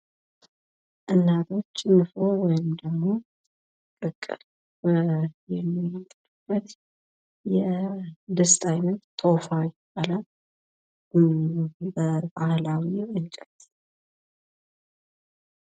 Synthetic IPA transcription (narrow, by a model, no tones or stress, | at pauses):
ʔɨnːat̪ʰʼo̞t͡ʃːɨnːɨfo̞wɔjɪmd̪əɡmo̞ | kʼɨkʼːɨɾ | bəjɛmːit̪ʼlɨb̥ːət̪ | jɛd̪əst̪ʼajnət̪ːʰʼofajbala | bəbahlawiɨnt͡ʃʼɛl